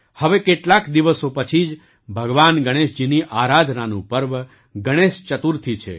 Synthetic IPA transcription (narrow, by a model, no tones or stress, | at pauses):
həʋekeʈlakd̪iʋəsopət͡ʃʰid͡ʒ | bʱəɡʋanɡəɽ̃eʃd͡ʒiniʔaɾad̪ʱnanṵ̃pəɾʋ | ɡəɽ̃eʃt͡ʃət̪uɾt̪ʰit͡ʃʰḛ